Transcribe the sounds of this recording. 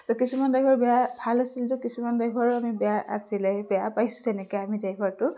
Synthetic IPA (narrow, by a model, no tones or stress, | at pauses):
zɔkisumandajbʱɔɹbɛjabʱalasilzɔkisumandajbʱɔɹamibɛjaʔa̰silɛbɛjapajsʊ̥̃zɛnɛkɔamidajbʱɔɹtʊ